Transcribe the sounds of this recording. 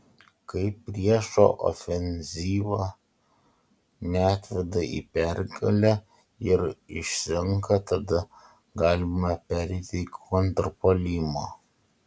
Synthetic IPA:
kɐɪpʲːɾʲiɛʃo̰ːʔo̰fʲɛnʲzʲiːʋɑ | nʲæːt̪ʲʋʲɛd̪ɐʔḭːpʲɛɾʲɡɐlʲɛ | ɪɾɪʃsʲɪŋkɐt̪ɐd̪ɐ | ɡɑːlʲɪmɐpʲæːɾʲɛɪt̪ʲɪkʰɔnt̪ɾpolʲimoː

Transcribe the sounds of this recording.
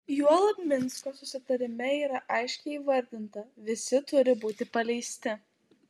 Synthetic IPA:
juɔlˠɐb̪ʲmʲɪnskoːsʊsʲɪt̪ɐɾʲɪmʲɛiːɾɐʔɐɪʃʲkʲɛɪiːʋɐɾʲd̪ʲɪnt̪ɐʋʲɪsʲɪt̪ʊɾʲɪbuːt̪ʲɪpɐlʲɛɪsʲt̪ʲɪ

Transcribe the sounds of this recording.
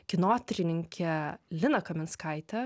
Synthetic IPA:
kʲɪnoːt̪ʲɾʲɪnʲɪŋʲkʲʰɛlʲɪnɐkɐmʲɪnskɐɪt̪ʲɛ

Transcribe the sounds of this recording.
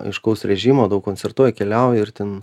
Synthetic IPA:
ɐɪʃkɐʊsɾʲɛʒʲiːmoːd̪ɐʊkkonʲtt͡sʲɛrt̪uɔjɛkʲɛlʲɛʊjɪrt̪ʲɛn

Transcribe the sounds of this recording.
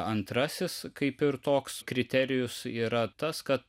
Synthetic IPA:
ɐnt̪ɾɐsʲɪskɐɪpɪɾt̪oːkskɾʲɪt̪ʲɛɾʲɪjʊsiːɾɐt̪ɐskɐt̪̚

